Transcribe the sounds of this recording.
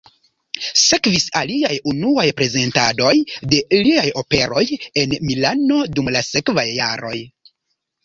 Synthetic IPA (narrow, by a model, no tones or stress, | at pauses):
se̞kvisaliajunuajpɾe̞ze̞ntado̞jde̞liajo̞pe̞ɾo̞je̞nmilano̞dumlase̞kvajːa̰ɾo̞̰j